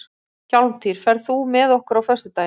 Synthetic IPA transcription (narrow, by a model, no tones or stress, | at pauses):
çawlm̥t̪ʰiɾ̥fɛɾðθumɛðɔhkʏɾawfœst̪ʏt̪aːj